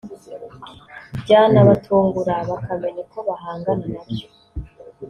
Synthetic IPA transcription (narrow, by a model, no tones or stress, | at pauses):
bɟaːnaβatʰuːŋɡuɾaβakame̞ɲeko̞βaɦaːŋɡananabjo̥